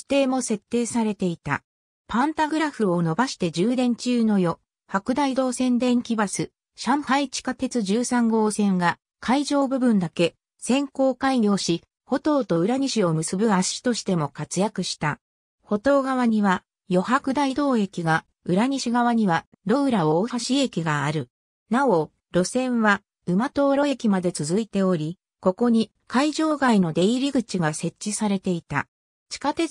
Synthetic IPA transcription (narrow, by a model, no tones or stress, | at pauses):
i̥t̪e̞ːmo̞se̞t̪ːe̞ːsaɾe̞t̪e̞it̪a̰ | pãnt̪aɡɯ̟ɾaɸɯ̟o̞no̞baɕi̥t̪e̞d͡ʑɨːd̪ẽ̞ɲ̟t͡ɕɨːno̞jo̞ | hakɯ̟d̪aid̪o̞ːsẽ̞nd̪ẽ̞ŋkʲibasɨ | ɕãɰhait͡ɕi̥kat̪e̞t͡sɨʑɨːsãŋɡo̞ːsẽ̞ŋɡa | kʰaiʑo̞ːbɯ̟bɯ̟̃nd̪ake̞ | sẽ̞ŋko̞ːkaiɲʲo̞ːɕi | ho̞t̪o̞ːt̪o̞ɯ̟ɾaɲ̟iɕio̞mɯ̟sɨbɯ̟aɕi̥t̪o̞ɕi̥t̪e̞mo̞kat͡sɨjakɯ̟ɕi̥t̪a | ho̞t̪o̞ːɡaβaɲ̟iβa | jo̞hakɯ̟d̪aid̪o̞ːe̞kʲiɡa | ɯ̟ɾaɲ̟iɕiɡaβ̞aɲ̟iβa | ɾo̞ɯ̟ɾaoːhaɕie̞kʲiɡaːɾɯ̟ | nao̞ | ɾo̞sẽ̞ɰ̃βa | ɯ̟mat̪o̞ːɾo̞e̞kʲimad̪e̞t͡sɨzɨit̪e̞o̞ɾʲi | ko̞ko̞ɲ̟i | kaiʑo̞ːɡaino̞d̪e̞iɾʲiɡɯ̟t͡ɕiɡase̞t͡ɕt͡ɕːisaɾe̞t̪e̞it̪a̰ | t͡ɕi̥kat̪e̞